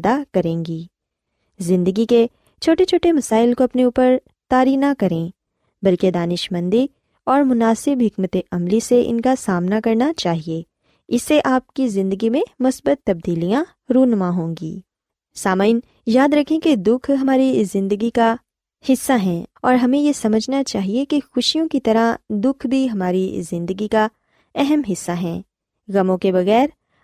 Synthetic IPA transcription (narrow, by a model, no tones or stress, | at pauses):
d̪akɐɾẽːŋɡiː | zɪ̃nd̪əɡike | t͡ʃʰoːʈet͡ʃʰoːʈemɐsaːɪlkoɐpneuːpəɾ | t̪aːɾinɐkɐɾẽ | bɐlked̪aːnɪʃmə̃nd̪i | ɔːɾmʊnaːsɪbɦɪkmət̪eʔɐmliseʔɪ̰nkasaːmnakɐɾnat͡ʃaːɦie | ɪsːeʔaːp̚kizɪ̃nd̪əɡimẽmʊsbət̪ːɐb̚d̪iːlijã | ɾoːɦnəmãɦõːŋɡḭː | saːmaɪn | jaːd̪ɾɐkʰẽked̪ʊkʰɦɐmaːɾizɪ̃nd̪əɡika | hɪsːaɦɛ̃ɔːɾɦɐmẽjesɐməd͡ʒʱnat͡ʃaːɦiekexʊʃijõkit̪ɐɾad̪ʊkʰbʱiɦɐmaːɾizɪ̃nd̪əɡika | ɛɦɛmɦɪsːaɦɛ̃ː | ɣɐmõkebɐɣɛːɾ